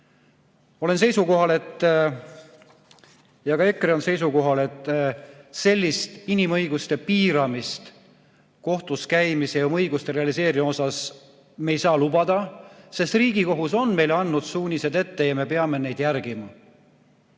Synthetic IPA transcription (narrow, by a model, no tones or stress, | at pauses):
o̞le̞nse̞jsuko̞ɦɑle̞t̪ː | jɑɡ̥ɑe̞kːreo̞nse̞jsuko̞ɦɑle̞t̪ːˑ | se̞lʲːist̪inimɤjɡust̪e̞piːɾɑmist̪ | ko̞ht̪uskæjmiseomɤjɡust̪e̞ɾe̞ɑlise̞ːɾimo̞sɑs | me̞ːjsɑːlubɑd̪̥ɑse̞st̪riːɡiko̞ɦuso̞nme̞jlɑnːud̪̥suːnʲise̞d̪e̞t̪ːe̞jɑme̞pe̞ɑme̞ne̞jd̪̥jærɡimɑ